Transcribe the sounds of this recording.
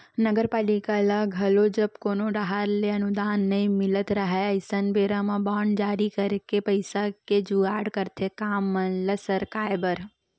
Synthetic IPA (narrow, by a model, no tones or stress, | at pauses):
nəɡəɾpaːlikalaɡʱɐlod͡ʒɐbkoːnoɖaɦaɾleɐnʊd̪aːnːɐĩmɪlət̪ɾɐɦaɐɪsənbeːɾamãbaːɳd͡ʒaːɾikəɾkepəɪsaked͡ʒuaːɽkəɾt̪ʰekaːmːɐnlɐsəɾkaːjbəɾ